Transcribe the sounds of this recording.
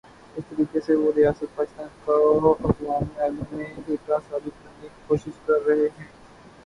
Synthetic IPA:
ɪst̪əɾiːkeseʋoːɾɪjaːsət̪̚paːkɪst̪ãːnkaʔɐfwaːnaːlmẽeːkasaːbɪt̪̚kɐɾnikoːʃɪʃkɐɾːɐɦeɦɛ̃ː

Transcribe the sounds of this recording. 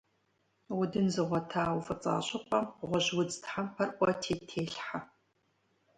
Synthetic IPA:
wʊdɨnzɨʁʷɔtʰaːwfɨt͡sʼa̰ːɕʼɪqʷʼɐmʁʷɔʑwʊd͡zɨtħampʰɐrʔʷʼɔtʰeːtʰeːɬħa

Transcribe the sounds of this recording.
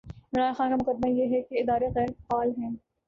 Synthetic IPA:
ɪɾaːnxaːnkamʊkəd̪̚majeɦɛkeɪd̪aːɾeɣɛːɾfaːlɦɛ̃ː

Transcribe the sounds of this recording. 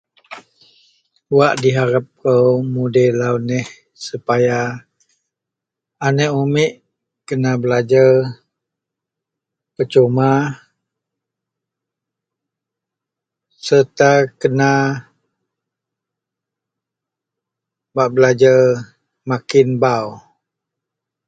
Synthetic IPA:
waʔdiɦaɾap̚kəwmudɛlawnɛh | supaja | anɛʔomɛʔ | kənabəlad͡ʒar | pət͡ʃoma | sət̪akəna | baʔbəlad͡ʒar | makɪnbaw

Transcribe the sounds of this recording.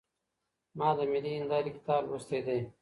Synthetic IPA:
mɑːd̪əmiliːnd̪aːɾiki̥t̪aːlwost̪eːd̪eː

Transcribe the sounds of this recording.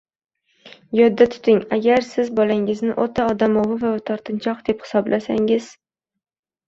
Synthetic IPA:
jɒd̪ːat̪ʰʊ̥t̪ɪŋaɡʲaɾsɪzbɒlaŋɪznɪʔot̪ʰaɒd̪amɒvɪvat̪ʰɒɾt̪ʰɪnt͡ʃʰɒqd̪e̞phɪ̥sɒblʔasa̰ŋɪz̥

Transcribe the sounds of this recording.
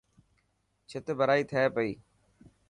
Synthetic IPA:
t͡ʃʰɪt̪bʱəɾaːiːt̪ʰəeːpəiː

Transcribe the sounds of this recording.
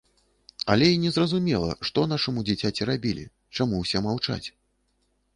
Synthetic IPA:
ɐlʲɛinʲɛzrɐzumʲɛlˠɐ̰ʂt̪ɔn̪aʂɐmud͡zʲɛt͡sʲat͡sʲirabʲilʲḭ | t͡ʂamuwsʲɛmawt͡ʂa̰t͡sʲ

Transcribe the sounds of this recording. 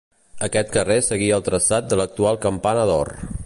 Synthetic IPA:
əkɛt̪kəresəɣiəːlˠt̪ɾəsat̪̚d̪ələk̚t̪ualˠkəmpanəðɔ̰r

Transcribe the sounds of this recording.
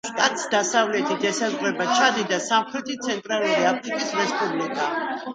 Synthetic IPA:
ʃkʼat̪sd̪asavlɛt̪ʰid̪ɛsazʁɾɛbat͡ʃʰad̪id̪asamχɾɛt̪ʰit̪sʰɛnt̪ʼɾaluɾiapʰɾikʼisɾɛspʼublikʼa

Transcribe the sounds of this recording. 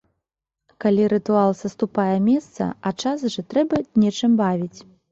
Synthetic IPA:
kalʲiɾɨt̪ualˠsɐst̪upajɛmʲɛst̪sɐ̰ɐt͡ʂasʐɐt̪ɾɛbɐnʲɛt͡ʂɨmbavʲit͡sʲ

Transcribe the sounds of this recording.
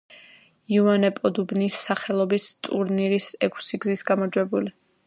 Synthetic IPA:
iuanɛpʼɔd̪ubnisːaχɛlˠɔbist̪ʼuɾniɾisɛkʰsiɡzisɡamɔd͡ʒwɛbuli

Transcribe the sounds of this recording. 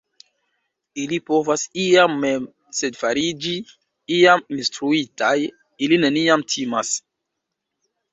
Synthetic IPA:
ilipovasiamːem | sedfaɾid͡ʒi | iaminstɾuitʰaj | ilineniamtʰimas

